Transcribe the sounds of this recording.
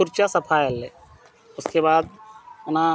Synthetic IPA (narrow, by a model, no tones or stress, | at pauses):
ʊɾt͡ʃasɐpʰaːjəle | ʊskebaːd̪na